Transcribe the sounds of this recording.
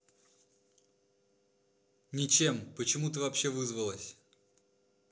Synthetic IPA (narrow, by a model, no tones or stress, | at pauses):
nʲɪt͡ɕe̞mpət͡ɕɪmut̪əvɐpɕːe̞vɨzvəlˠəsʲ